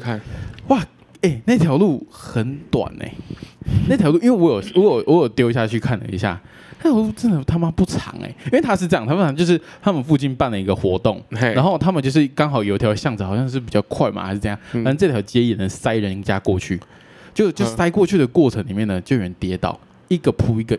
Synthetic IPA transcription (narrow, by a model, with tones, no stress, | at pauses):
wa˥˩ | e˥˩ɪna˥˩ɪt̪ʰjɑ˧˥ʊlu˥˩xə˨˧˦nt̪wa̰˨˩nḛ˨˦ɪna˥˩t̪jɑ˧˥lu˥˨i˥˦nwe˥˩wɔ˧˥jo˨˩ʊwɔ˧˥jo˨˩wɔ˧˦jo˨˩ʊt̪jo˧˥ʊi˧ɕja˥˧t͡ɕʰy˥˧kʰa˥˩nlə̰˩ḭ˧˦ɕja̰˥˩ | n˥˩t̪ʰjɑ˧˥lu˥˩ʈ͡ʂə˥nd̪ə˨˩t̪ʰa˥ma˦˥pu˥˩ʈ͡ʂʰɑ̰˧˥ŋḛ˧˩i˥we˥˩ɪt̪ʰa˥ʂɻ̩˥˧ʈ͡ʂɤ˥˧jɑ˥˨˩t̪ʰa˥pʰɑ˧ŋt͡ɕjo˥˧ʊʂɻ̩˥˩t̪ʰa˥mə˨nfu˥˧t͡ɕi˥˧npa˥˩nlə˩i˧˥ɡə˨xwɔ̰˧˥t̪o˥˩ŋa˧˦nxo˥˧ʊt̪ʰa˥mə˨nt͡ɕjo˥˧ʂɻ̩˥˩kɑ˥˦ŋxɑ˨˩ʊjo˧˥ʊt̪ʰjɑ˧˥ʊɕjɑ˥˩ŋd͡zɹ̩˨˩xɑ˨˩ʊɕjɑ˥˧ŋʂ̬ɻ̩˥˩pi˨˩t͡ɕɑ˥˧ʊkʰwa˥˩ɪma̰˨˩xɪʂɻ̩˥˧ɤ˥˧ja˥˩˨a˨˥˧t͡sɤ˥˩t̪ʰjɑ˧˥ʊt͡ɕjɛ˧˥i˥˨jɛ˨˩nə˧˦ŋsa˦˥ɪɻə˧˦nt͡ɕja˦˥kwɔ˥˧t͡ɕʰy̰˥˩ | t͡ɕo˥˧ʊt͡ɕo˥˧ʊsa˥ɪkwɔ˥˧t͡ɕʰy˥˩d̪ə˩kwɔ˥˩ʈ͡ʂʰə˧˥ŋli˨˩mjɛ˥˩nə˩t͡ɕo˥˩jo̰˨˩ɻə˦nt̪jɛ˧˥t̪ɑ̰˨˩ʊ | i˥˩ɡə˨pʰu˧˥i˧˥ɡə˨